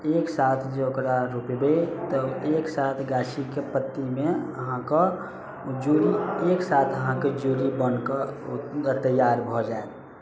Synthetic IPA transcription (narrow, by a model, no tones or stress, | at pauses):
eːksaːt̪ʰd͡ʒeokɾaɾupibet̪ɔeːksaːt̪ʰɡaːʃikepət̪ːimẽəɦãko | d͡ʒuːɾieːksaːt̪ʰəɦãked͡ʒuːɾibənkə | t̪əjaːɾbʱɔd͡ʒae